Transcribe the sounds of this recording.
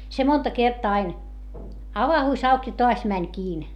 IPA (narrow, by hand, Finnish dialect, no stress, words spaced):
se montɑ kertɑː ɑin ɑʋɑhuˑs ɑuk jɑ toɑs mænʲ kiːn